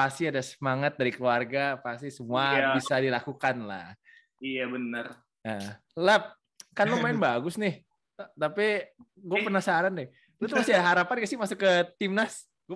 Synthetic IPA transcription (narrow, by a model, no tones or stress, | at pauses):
pasiadasəmaŋat̪̚daɾikəluarɡapasisəmuabisadilakukanla̰h | ijabənər | ə | lɛp̚ | kanlomaɪnbaɡʊsnɪh | t̪api | ɡuapərnahsaaɾandɪ | lɛt̪masiadaɦaɾapanɡasɪmasʊkːət̪ɪmnas | ɡu